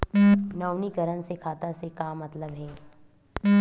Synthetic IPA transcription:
nawnikəɾənsekʰaːt̪asekaːmːɐt̪ləbɦɛː

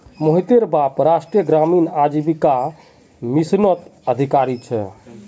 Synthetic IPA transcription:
moɦit̪eɾbapɾasʈɾijəɡɾaminad͡ʒibika | misnət̪əd̪ʱikaɾit͡ʃʰɛ̰

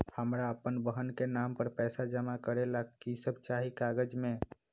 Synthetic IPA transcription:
həmɾaəpənbəɦənkenampəɾpɛsad͡ʒəmakəɾelakːisəbt͡ʃaɦikaɡəd͡ʒme

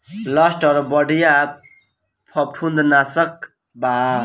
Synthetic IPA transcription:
lʌsʈʌɾbʌɖija | pʰʌʈʰund̪nasʌk | ba

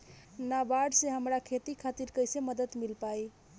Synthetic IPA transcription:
nabaɖseɦəmɾakʰet̪ikʰat̪iɾkəjseməd̪ət̪milpaj

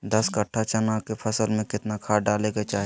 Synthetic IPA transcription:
d̪ɐskɐʈʰːat͡ʃɐnakepʰɐsəlmẽkɪt̪nakʰaːɖaːlekat͡ʃaːɦ

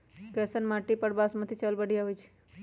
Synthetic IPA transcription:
kɛsənmãʈipəɽbasmãt̪ʰit͡ʃəlbəɽiaɦojt͡ʃʰe̥

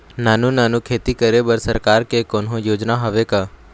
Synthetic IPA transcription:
naːnũnaːnũːkʰeːt̪iːkəɾebəɾsəɾkaːɾkekoːnɦõjoːd͡ʒnaɦəʋekaː

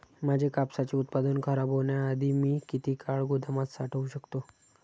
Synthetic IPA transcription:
mad͡ʑʱekapsat͡ɕiut̪̚pad̪ənkʰəɾaboɳjaːd̪ʱiːmiːkit̪iːkʰaɭɡud̪ʱəmat̪saʈʰəuɕəkt̪o

